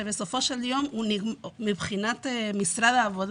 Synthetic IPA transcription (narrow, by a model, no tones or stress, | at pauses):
eβesofoʃeld̪jomunimiβχinat̪emist̪ɾaðaːβoð